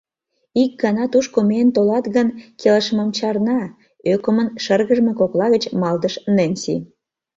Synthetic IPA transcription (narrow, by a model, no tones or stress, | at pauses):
ik̚ɡɑnɑt̪uʃkoment̪olɑt̪ɣənkʰeləʃməmt͡ɕɑrnɑ | økomənʃərɣəʒmekoklɑɣət͡ɕmɑld̪əʃnenʲsḭ